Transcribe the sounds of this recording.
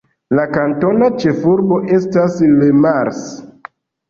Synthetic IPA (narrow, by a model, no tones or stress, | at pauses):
lakanto̞nat͡ʃe̞fuɾbo̞ʔe̞staslemaɾs